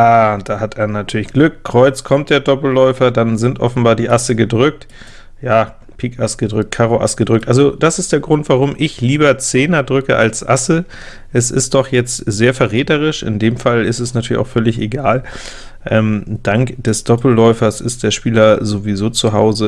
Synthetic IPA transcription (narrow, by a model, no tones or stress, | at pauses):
jaːd̥aːhatʰeːɐnatʰyːɐlɪçɡ̥lʏkkʁ̥ɔʏt͡skʰɔmt̚d̥eːɐdɔpl̩lɔʏfɐdanzɪntʔɔ̰fn̩baːɐdiːʔasəɡədʁʏk̚t | jaː | pʰiːkʔasɡ̥ədʁʏk̚t̚kʰaːʁoʔa̰sɡ̥ədʁʏk̚tʔalzod̥asɪstd̥eːɐɡʁʊntv̥aʁ̞ʊmʔɪçliːbɐt͡seːnɐdʁʏkə̰ʔa̰lsʔa̰sə | ʔɛsɪ̰st̚d̥ɔχjɛt͡stz̥eːɐfɛɐʁeɛːtəʁ̞ɪʃʔɪ̰ndeːmfalɪstɛsnatʰyːɐlɪçʔa̰ʊfœlɪçeɡaːl | ʔɛːmd̥aŋkd̥ɛsd̥ɔpl̩lɔʏfɐsɪ̰std̥eːɐʃpiːlɐzovizoːt͡suɦaʊzə